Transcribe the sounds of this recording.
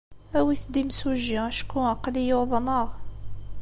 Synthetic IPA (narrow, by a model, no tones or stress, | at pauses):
æwiθd̪imsuʒiʁæʃkːuæqːlijoðˤnəʁ